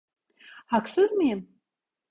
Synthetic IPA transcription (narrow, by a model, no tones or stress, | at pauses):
akʰsɨzmɨjɪm